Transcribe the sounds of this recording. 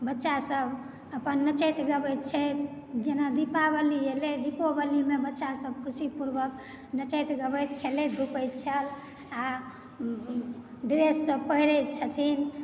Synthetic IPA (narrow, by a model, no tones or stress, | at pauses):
bətːʃasəb | əpənːət͡ʃəjt̪ɡəbəjt̪̚t͡ʃʰət̪ | d͡ʒenad̪ipabəlieled̪ipobəlimebətːʃasəb̚kʰusipuɾbək | nət͡ʃət̪ɡəbəjt̪kʰeled̪ʱupəjt̪̚t͡ʃʰəl | a | ɖiɾesːəbpəɦiɾəjt̪̚t͡ʃʰət̪ʰin